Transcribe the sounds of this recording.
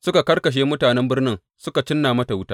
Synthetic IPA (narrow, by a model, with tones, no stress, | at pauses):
sʊ˦ka˨kɐ˦rkɐ˨ʃ̬eː˦mʊ˦taː˨nɛ˦mbɪ˦rnɪ˦ŋ | sʊ˦ka˨t͡ʃɪ˦nːaː˨mɐ˦ta˨wʊ˦taː˦